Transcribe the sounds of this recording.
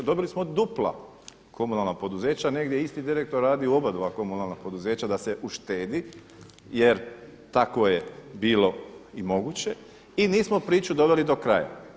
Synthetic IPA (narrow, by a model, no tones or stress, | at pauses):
d̪o̞bilismod̪uplˠa̰ | kʰo̞munalˠnapo̞d̪uze̞ːt͡ɕane̞ɡd̪jeist̪id̪iɾe̞k̚t̪oɾːaːd̪iuobad̪oʋako̞munalˠnapo̞d̪uze̞ːt͡ɕad̪ase̞ʔuʃt̪e̞ːd̪i | je̞ɾt̪akʋo̞jebiːlo̞imo̞ɡut͡ɕe̞ | iniːsmopɾiːt͡ɕud̪o̞ʋe̞lid̪o̞kɾaja̰